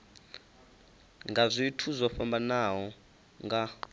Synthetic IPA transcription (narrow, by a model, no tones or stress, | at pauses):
ŋɡazʷiitʰuzwaɸambanaɦɔ | ŋɡa